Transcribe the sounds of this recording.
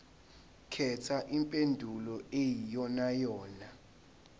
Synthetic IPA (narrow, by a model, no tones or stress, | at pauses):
kʰɛtʰaʔimpʼendʱulɔejijɔnajɔːna